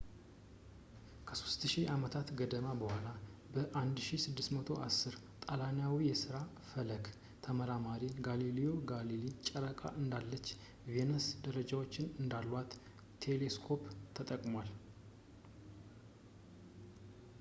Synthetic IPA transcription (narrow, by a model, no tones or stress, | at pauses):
kʰə̥so̥st̪ʃiʔamət̪ʰat̪ɡəd̪əmabəhʷalabəʔand̪ʃisɨd̪ːɨst̪mət̪ʰo̞ʔa̰sːɨɾ | t̪ʼalanjawijɛsɨɾa | fələɡ | t̪ʰəməɾamaɾiɡalilijo̞ɡalilit͡ʃʼəɾəkʼa̰ʔɨnd̪alːət͡ʃː | venəsd̪əɾəd͡ʒawot͡ʃːɪnɨnd̪alːwat̪ʰ | e̞le̞skʰo̞pt̪ʰːət̪ʼəkʼmwal